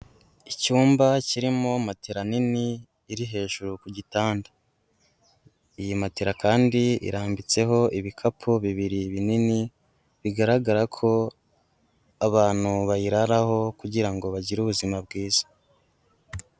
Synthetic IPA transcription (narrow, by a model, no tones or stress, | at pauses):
icuːmbaciɾimo̞mateɾaniniː | ɾiɦe̞ːʒuɾukuɟitaːndḁ | ijimateɾakaːndiḭɾaːmbit͡se̞ɦo̞ʔiβikʰapʰuβiβiɾiβinini | βiɡaɾaɡaɾakʰo̞ | aβaːn̥huβajiɾaɾaho̞kuɟiɾaŋɡo̞βaɟiɾuβuzimabɡiːz̥ḁ